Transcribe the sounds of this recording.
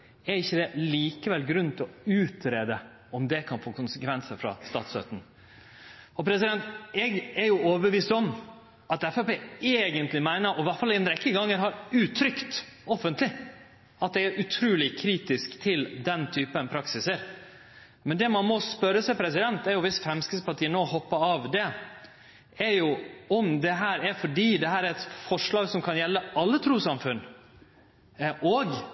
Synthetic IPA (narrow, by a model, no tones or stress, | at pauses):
æɾɪçːəd̪ɛliːkəʋɛlɡɾʉnt̪ʰɪlɔʉːt̪ɾeːd̪ə | ɔmd̪ɛkʰɑnfoːkʊnsəkʰʋɛnsəɾfɾɑ̰st̪ɑ̰ːt̪sø̰t̪n̩ | ɔpʰɾɛsɪd̪ɛnt̪ɛɡɛɾjʊoːʋəbəʋiːst̪ɔm | ɑt̪ɛfæpeːeːɡənt̪lɪmæɪnəɾʔɔʋæʈfɑlɛnɾɛkːəɡɑŋːəɾɦɑɾʉːt̪ʰːɾʏkt̪ɔfːənt̪lɪ | ɑt̪̚d̪ɛæɾʔʉt̪ʰɾʉːlɪkʰɾiːt̪ɪskt̪ʰɪld̪ɛnt̪ʰyːpənpʰɾɑksɪsəɾ | mɛnd̪ɛmɑnmɔspœɾːəsæɪpʰɾɛsɪd̪ɛnt̪æɾjʊʋɪsfɾɛmskəspʰɑʈiːənoːhɔpːəɾɑːʋd̪ɛ | æɾjʊɔmd̪ɛɦæːɾæɾfɔɖiːd̪ɛɦæːɾæɾɛt̪fɔʂɭɑːɡsɔmkʰɑnjɛlːəɑlːət̪ʰɾuːsɑmfʉnː | ʔoːɡ